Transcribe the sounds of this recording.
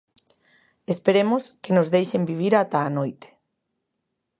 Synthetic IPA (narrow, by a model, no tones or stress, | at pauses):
espeɾemoskenozðejʃembiβ̞iɾat̪aːnojt̪e̥